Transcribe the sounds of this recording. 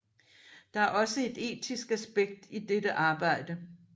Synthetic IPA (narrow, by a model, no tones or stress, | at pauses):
d̥ɑ̈æɐʔɒ̽səe̝d̥e̝̰ːdʰisɡ̥æsb̥eɡ̥̚d̥id̥edəʔɑ̈ːb̥ɑ̈ɪ̰d̥ə